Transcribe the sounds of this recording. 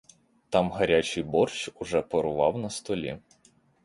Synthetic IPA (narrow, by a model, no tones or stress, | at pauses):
t̪ɑmɦɐɾʲat͡ʃɪjbɔrt͡ʃʊʒɛpɔɾʊʋɑwnɐst̪ɔlʲḭ